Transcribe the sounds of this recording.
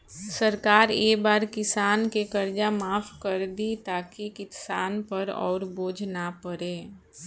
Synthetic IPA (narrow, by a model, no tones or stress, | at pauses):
səɾkaːɾeːbaːɾkɪsaːnkekɐɾd͡ʒamaːfkəɾd̪it̪aːkikɪsaːnpəɾɔ̰ːɾboːd͡ʒnapəɾeː